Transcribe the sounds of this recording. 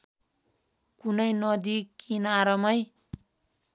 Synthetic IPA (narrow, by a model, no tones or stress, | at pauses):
kunʌjnʌd̪ikinaɾʌmʌj